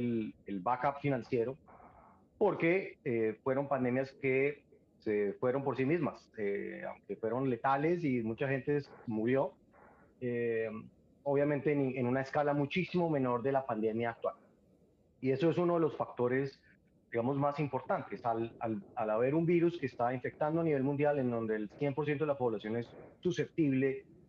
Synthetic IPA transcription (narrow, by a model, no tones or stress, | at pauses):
lelbakapfinãnsje̞ɾo | po̞ɾke̞efwe̞ɾo̞mpand̪e̞mjaske̞ | sefwe̞ɾo̞mpo̞ɾsimizmasea̰wŋke̞fwe̞ɾo̞nle̞t̪ale̞s̬imut͡ʃaxẽ̞nt̪esmuɾjo̞ | e | oβjament̪enenunaeskalamut͡ʃisimome̞no̞ɾd̪e̞lapand̪e̞mjaːk̚t̪wal | ie̞so̞esuno̞ð̞e̞lo̞sfak̚t̪o̞ɾe̞s | d̪̥iɣamo̞zmasimpo̞ɾt̪ant̪e̞salalalaβe̞ɾumbiɾuske̞ːst̪aiɱfe̞k̚t̪and̪oaniβe̞lmũnd̪jalend̪o̞nd̪e̞ːlsjempoɾsjent̪oelapo̞βlasjo̞ne̞sːuse̞p̚t̪iβle̞